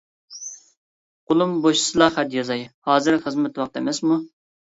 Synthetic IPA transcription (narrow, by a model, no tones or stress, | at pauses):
qʊlˠumboʃi̥sɨlˠɑχæd̪jɑzɑjhɑːzɨɾχəzmɛt̪wɑqt̪ɛmɛsmu